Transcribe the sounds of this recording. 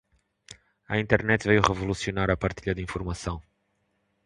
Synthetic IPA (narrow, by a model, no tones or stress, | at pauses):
ɐ̰ĩnt̪ɛɾnɛt̪vejuʁɨvulˠusiunaɾɐpɐɾt̪iʎɐd̪ɨĩfuɾmɐsɐ̃w̃